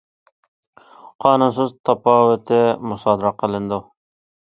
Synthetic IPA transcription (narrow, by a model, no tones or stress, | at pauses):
qʰɑːnʊnsɨzt̪ʰɑpɑːwʊt̪ʰɪmʊsɑːd̪ɑɾɑqʰəlˠɨnd̪u